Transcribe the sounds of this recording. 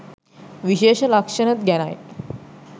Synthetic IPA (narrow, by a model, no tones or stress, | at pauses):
ʋiɕeɕlakʂəɽət̪ɡʱaɽ̃a̰j